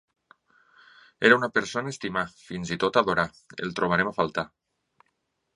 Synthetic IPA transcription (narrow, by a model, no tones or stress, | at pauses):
eɾaunapeɾsonaest̪imafinzit̪ot̪aðoɾa | ḛlˠt̪ɾoβ̞aɾemafalˠt̪a